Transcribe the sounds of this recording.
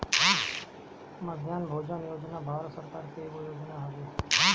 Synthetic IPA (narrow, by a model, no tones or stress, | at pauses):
ɦa | məd̪ʱjaːnbʱod͡ʒənjod͡ʒnabʱaɾsəɾkaːɾkeɡojoːd͡ʒnaɦaɡeɦ